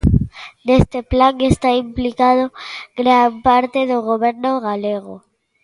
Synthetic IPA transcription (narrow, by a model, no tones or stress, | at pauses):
d̪est̪eplaŋest̪aimplikaðoɡɾaampaɾt̪e̞ðeɣoβe̞ɾnoɣaleɣo